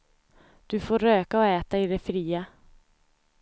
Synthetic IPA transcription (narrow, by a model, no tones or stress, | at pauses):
d̪̥ɵfoːɾøːkaɔɛːt̪aɪd̪ɛfɾiːa